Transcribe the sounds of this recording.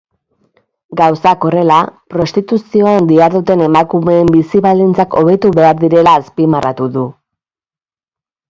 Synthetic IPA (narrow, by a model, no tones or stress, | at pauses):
ɡawsako̞re̞lapɾo̞st̪it̪usio̞and̪iaɾðut̪e̞ne̞makume̞ːmbisiβald̪int͡sako̞β̞e̞t̪uβe̞aɾðiɾe̞laːspimarat̪uðu